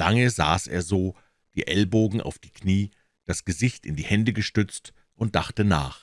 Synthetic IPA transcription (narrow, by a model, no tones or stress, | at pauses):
laŋəza̰ːsʔḛːɐzoː | d̥iːʔɛlboːɡŋ̩ʔa̰ʊfd̥iːkniː | d̥asɡ̥əzɪçtɪndiːhɛndəɡəʃtʏt͡st | ʔʊnt̚d̥aχtənaːχ